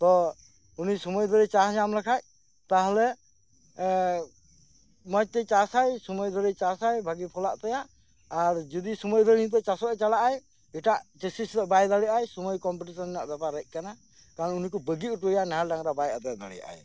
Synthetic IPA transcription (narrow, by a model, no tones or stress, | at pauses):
t̪ɔ | unisɔmɔjd̪ʱɔɾɛt͡ʃasɲamlɛkʰac̚ | t̪aɦɛlɛ | mɔjt̪ɛt͡ʃasajsɔmɔjd̪ʱɔɾɛt͡ʃasajbʱaɡipʰɔlaʔt̪ɛjaʔː | ɾd͡ʒɔd̪isɔmɔjd̪ʱɔɾnt̪̬ɛt͡ʃasɔɛt͡ʃalaʔaj | iʈaʔt͡ʃɛsistɛbajd̪aɽijaʔajsɔmɔjkɔmpiʈisɔnɛnaʔd̪apaɾəc̚ˀkana | kaɾɔnunikɔbəɡiuʈbəjanɛɦalɖaŋɾabajat̪ɛd̪aɽḭjaʔa̰j